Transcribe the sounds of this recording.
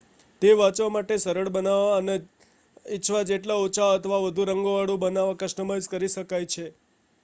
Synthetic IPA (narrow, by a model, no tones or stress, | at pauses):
t̪eʋat͡ʃʋamaʈesəɾəɭbənaʋaəne | it͡ʃʰʋad͡ʒeʈlaot͡ʃʰaət̪ʰəʋaʋəd̪ʱũɾəŋɡoʋaɽũbənaʋakəʃʈəməskəɾiʃəkajt͡ʃʰe